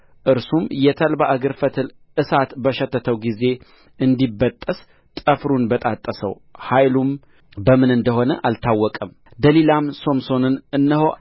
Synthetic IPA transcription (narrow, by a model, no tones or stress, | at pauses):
ʔɨɾsumjɛt̪ʰəlbaʔɨɡəɾfət̪ʰɨl | ʔɨsat̪bəʃɛt̪ʰːət̪ʰəwɡize̞ | ɨnd̪ibːət̪ʼːəs | t̪ʼəfɾunbət̪ʼat̪ʼːəsə̰w | hajlum | bəmɨnɨnd̪əho̞nəʔalt̪ʰawːɔkʼəm | d̪əlilamso̞mso̞nɨnɨnːəho̞